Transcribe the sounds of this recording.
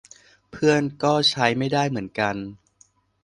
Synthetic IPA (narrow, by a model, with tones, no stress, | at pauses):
pʰɯ˥˩ənkɔː˥˩t͡ɕʰa˦˥jma˥˩jdaː˥˩jmɯ˩˦ənka˧n